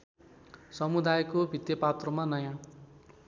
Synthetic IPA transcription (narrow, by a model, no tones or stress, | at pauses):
sʌmud̪ajkobʱit̪jʌpat̪rʌmanʌjã